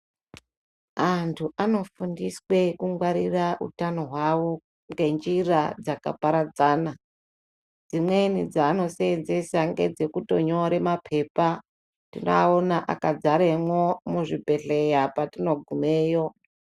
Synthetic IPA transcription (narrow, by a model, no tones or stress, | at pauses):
antʰuʔano̞fundiswe̞kuŋɡwaɾiraʔṵtano̞ɦwawo̞ | ŋɡe̞nd͡ʒirad͡zaka̰paɾad͡zaːna | d͡zimwe̞nid͡zaːno̞seenze̞saŋɡe̞̰d͡ze̞kuto̞ɲo̞ɾe̞mapʰe̞pa | tino̰aonaʔa̰kad͡zaɾemwomuʐibʱe̞ɬe̞japatino̞ɡʱumeːjo̞